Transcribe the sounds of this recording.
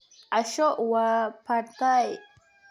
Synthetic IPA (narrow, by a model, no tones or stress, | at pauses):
aʃoʔwapʰaɾt̪aj